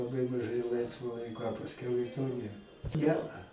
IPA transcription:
lˠɐˈbɐɪ mɐˈʒɐɪ ˈlˠɐɪsʋoː ˈlˠɐɪkoː ɐ pɐsʲˈkʲɛʊ ɪ toː ˈnʲeːr ˈnʲɛɐ

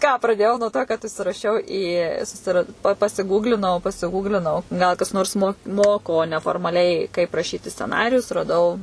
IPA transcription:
kɑː prɐˈdʲeːjɛʊ nuɔ toː kɐt ʊʃʲsʲɪrɐˈʃʲɛʊ iː sʊsʲɪˈrɐt pɐ pɐsʲɪˈɡuːɡlʲɪnɐʊ pɐsʲɪˈɡuːɡlʲɪnɐʊ ɡɐlˠ kɐs ˈnoːrs moː ˈmoːkoː nʲɛfoːrmɐˈlʲɛɪ kɐɪp rɐˈʃʲiːtʲɪ sʲt͡sʲɛˈnɑːrʲɪjʊs rɐˈdɐʊ

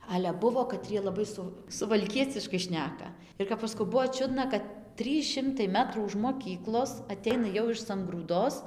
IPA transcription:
ɐlʲɛ ˈbʊʋoː kɐˈtʲrʲiɛ lˠɐˈbɐɪ ˈsʊ sʊʋɐlʲˈkʲiɛt͡sʲɪʃkɐɪ ˈʃʲnʲæːkɐ ɪr kɐp ˈɐʃ sɐˈkɐʊ ˈbʊʋoː ˈt͡ʃʲʊdnɐ kɐt ˈtʲrʲiːs ˈʃʲɪmtɐɪ ˈmʲæːtruː ʊʃ moːˈkʲiːklˠoːs ɐˈtʲɛɪnɐ jɛʊ ɪʃ sɐŋɡruːˈdoːs

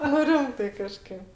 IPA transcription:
nʊ ˈrʲɪmtɐɪ kɐˈʃʲkʲeːp

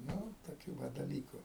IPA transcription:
ˈnʊ toːˈkʲuː ˈʋɐ dɐˈlʲiːkʊ

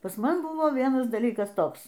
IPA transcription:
pɐs ˈmɐn ˈbʊʋoː ˈʋʲiɛnɐs dɐˈlʲiːkɐs ˈtoːks

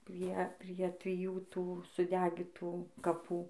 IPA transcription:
ˈpʲrʲiɛ pʲrʲiɛ tʲrʲɪˈjuː ˈtuː sʊˈdʲæːɡʲɪtuː kɐˈpuː

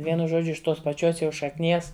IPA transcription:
ˈʋʲiɛnʊ ˈʒoːd͡ʒʲʊ ɪʃ ˈtoːs pɐˈt͡ʃʲoːs jɛʊ ʃɐkˈnʲiɛs

